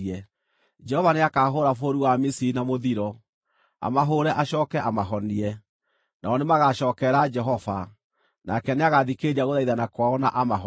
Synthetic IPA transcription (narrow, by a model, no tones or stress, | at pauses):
ɛ | d͡ʒɛhɔvaneakaːɦoɾafoɾuwamisiɾinamoðiɾɔ | a̰maɦoɾɛʔaʃɔːkɛʔamaɦɔniɛ | naɔnemaɣaɕɔːkɛɾad͡ʒɛɦɔva | nakɛneaɣaðikeɾiaɣoðaiðanakwaɔna̰ʔamaɦɔ